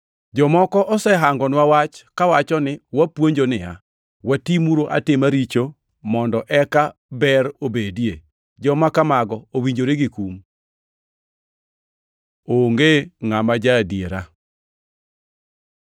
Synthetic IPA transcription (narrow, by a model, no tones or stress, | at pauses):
d͡ʒɔmɔkɔʔɔsɛɦaŋɡɔnwawat͡ʃkawat͡ʃɔnɪwapwoɲd͡ʒonɪa | watimuɾoʔa̰tɪmaɾit͡ʃo | mɔndɔʔɛkabɛɾobedie | d͡ʒɔmakamaɡɔowiɲd͡ʒoɾeɡikum | oŋɡeŋamad͡ʒadjeɾa